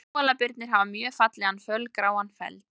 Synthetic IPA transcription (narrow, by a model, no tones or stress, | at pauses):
ɔlapɪɾt̪nɪɾ̥ɦavamjœːfat̪lɛanfœlkɾaːwanfɛ̰lt̪